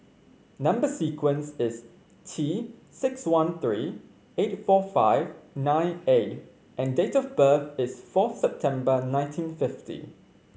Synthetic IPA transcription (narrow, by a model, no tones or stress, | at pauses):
nãmbəsikʰwə̃nsɪs | tʰi | sɪkswãnθɹiː | etfɔfaɪvnãɪ̃net | ʔɛ̃ndetɔfbəθɪsfɔθsɛp̚tʰɛ̃mbənãɪ̃ntʰĩnfɪftḭ